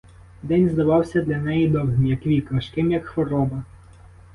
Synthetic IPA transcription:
d̪ɛnʲzd̪ɐʋɑwsʲɐd̪lʲɐnɛjid̪ɔwɦnʲijɐkʋʲikʋɐʃkɪmjɐkxʋɔɾɔbɐ

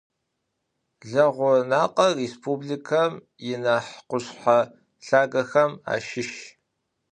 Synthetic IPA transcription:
ɮɐʁʷʊnaːqʼɐrespʰubɮikʰɐm | jɪnaħqʷʊɕħa | ɬaːɡɐxɐma̰ːʃɪʃ

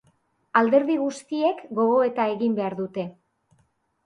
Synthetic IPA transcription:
ald̪e̞ɾðiɣust̪ie̞kɡo̞ɣo̞e̞t̪ae̞ɣimbe̞aɾðut̪e̞

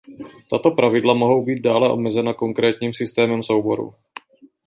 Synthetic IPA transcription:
t̪at̪opɾavɪdlamoɦo̞wbiːd̪̚daːlɛʔo̞̰mɛzɛnakoŋkɾɛːt̪ɲiːmsɪst̪ɛːmɛmsowbo̞ɾṵ

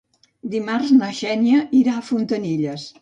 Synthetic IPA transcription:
d̪imarznəʃɛnjəiɾaːfunt̪əniʎəs

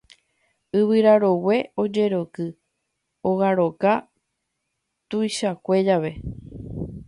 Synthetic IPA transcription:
ɨβɨɾaɾo̞we̞o̞d͡ʒe̞ɾo̞kɨ | oɣaɾo̞ka | t̪ujʃakʷe̞d͡ʒaʋe̞

